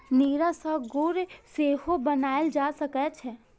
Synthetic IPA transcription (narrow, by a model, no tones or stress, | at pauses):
niːɾasəɡuːɾseːɦobənaːeld͡ʒaːsəkɛt͡ʃʰɛ